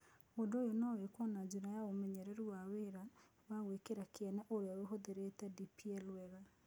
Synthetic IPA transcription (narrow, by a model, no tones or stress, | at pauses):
ɣondojonɔwekwɔnad͡ʒuɾajaomɛɲɛɾɛɾuwaweɾa | βaɣwekeɾakeɛnɛʔoɾeaweɦoðeɾetɛdipiɛlwɛɣa